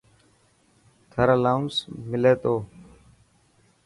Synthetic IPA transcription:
t̪ʰəɾəlaːũnsmɪleːt̪oː

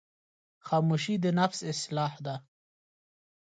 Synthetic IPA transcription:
xɑːmuʃid̪ənafsɪslɑːhd̪a

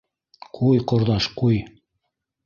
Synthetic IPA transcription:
qʰujqŏɾðɑʃquj

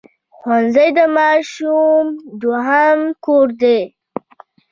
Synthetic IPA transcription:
xwanzəjd̪əmɑʃumd̪waɦamkoɾd̪e

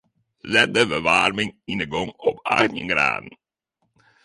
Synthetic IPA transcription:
zɛt̚dəvəʋarmɪŋɪnəɡɔŋɔpʰa̰ɣnə̰ŋɡɾa̰ːdən̩

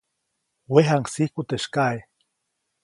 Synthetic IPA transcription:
weɦaŋksihkut̪eʃkae

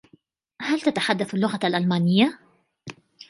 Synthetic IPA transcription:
halt̪at̪aħad̪ːaθalːʊɣaalʔalmaːnɪjːa

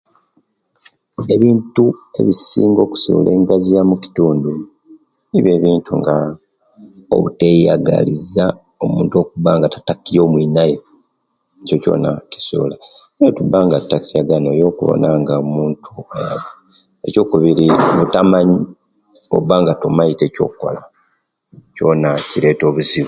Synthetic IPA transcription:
e̞βiːntue̞̰βisḭːŋɡo̞ːku̥sṵːlʔḛːŋɡazijamuci̥tuːndu | niβje̞ːβiːntuŋɡa | o̰βuteja̰ɡa̰liza | o̞muːnto̞ːk̚uβaːŋɡatḁtakːijo̞ːmwinaje | ecoco̞̰ːnaki̥sṵːla | ejotubːaːŋɡatːakijaɡanojo̞ːkṵβo̰naŋɡaomuːntʰuaβu | e̞̰co̞ːkuβiɾiβutamaɲi | o̰βaːŋɡatomaite̞co̞̰ːukːo̰la | co̞naciɾe̞ːto̞ːβuziβu

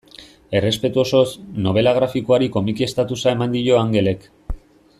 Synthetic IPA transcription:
e̞re̞spe̞t̪uo̞so̞snoβ̞e̞laɣ̞ɾafikoaɾiko̞mikie̞st̪at̪usae̞mand̪iʎo̞aŋɡe̞le̞k

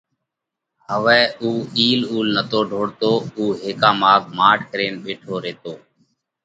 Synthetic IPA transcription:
ɦəʋɛːʔuːiːluːlnət̪oːɖʱoːɽt̪oːuːɦeːkãːmaːɡ̚maːʈʰkɾeːnɓeːʈʰoːɾeːt̪oː

